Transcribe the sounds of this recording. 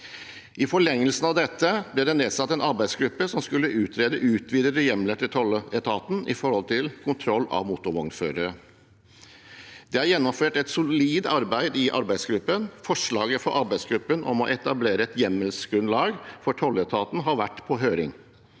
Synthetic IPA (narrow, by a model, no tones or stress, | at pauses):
ʔɪfɔɭɛŋːəlsn̩ɑʋd̪ɛt̪ːəb̥lɪd̪ɛneːd̪sɑt̪ːɛnɑɾbæɪsɡɾʉpːəsɔmskʉlːəʔʉːt̪ʰɾeːd̪əʔʉːt̪ʰʋiːd̪əɾəjɛmləʈ̪ʰɪt̪ʰɔlːəɛt̪ʰɑːt̪n̩ɪ̰fɔɾhɔlt̪ʰɪlkʰʊnt̪ʰɾɔlːɑ̰ʋmuːt̪ʊɾʋɔŋføːɾəɾə | d̪ɛæɾjɛnːɔmføːʈɛt̪sʊliːd̪ɑɾbæɪd̪ɪʔɑ̰ɾbæɪsɡɾʉpːənfɔʂɭɑːɡəfɔɾʔɑɾbæɪsɡɾʉpːənʔɔ̰mɔ̰ʔɛt̪ɑbleːɾəɛt̪jɛmːəlsɡɾʉnlɑːɡfɔʈʰɔlːɛt̪ʰɑːt̪n̩ɦɑɾʋæʈːpʰɔɦøːɾɪ̰ŋ